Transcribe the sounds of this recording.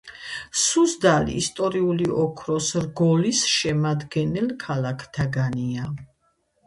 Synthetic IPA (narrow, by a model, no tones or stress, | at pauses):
suzd̪alḭːst̪ʼɔɾiuliʔɔkʰɾɔsɾɡɔlisʃɛmad̪ɡɛnɛlkʰalakʰt̪ʰaɡania